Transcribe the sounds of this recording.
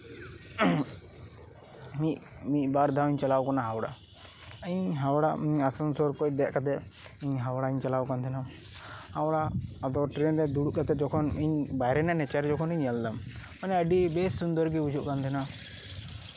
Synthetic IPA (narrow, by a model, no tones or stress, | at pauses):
miʔmicbaɾd̪ʱawiɲt͡ʃalawkɔnaɦawɽa̰ | iɲɦawɽaiɲasɔnsɔɾkoc̚d̪ɛʔkat̪ɛiɲɦawɽaiɲt͡ʃalawkant̪ʰɛna | hawɽaːd̪ɔʈɾɛnɾɛd̪uɽuʔkat̪ɛd͡ʒɔkʰɔniɲbajɾɛnanɛt͡ʃaɾɛd͡ʒɔkʰɔniɲald̪ammanɛəɖibɛsːund̪ɔɾɡiud͡ʒʱuʔkant̪ʰɛna